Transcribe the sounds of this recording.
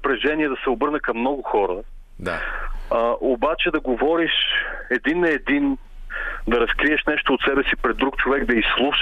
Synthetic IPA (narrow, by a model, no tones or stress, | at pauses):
pɾɛʒɛniɛd̪ɐsɛobɤɾnəkɐmːnɔɡʊxɔɾə | ʔobat͡ʃɛd̪ɐɡovɔɾiʃɛd̪inɐɛd̪in | d̪ɐɾɐskɾiɛʃnɛʃt̪oːt̪sɛbɛsipɾɛd̪ɾukt͡ʃovɛkd̪ɐislˠuʃ